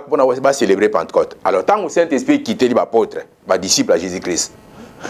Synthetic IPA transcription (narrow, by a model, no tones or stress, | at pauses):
pɔnabaselebɾepãntkɔtalɔtãŋɡusɛ̃ntɛspɾikitelibapɔtɾɛ | badisiplaʒezikɾist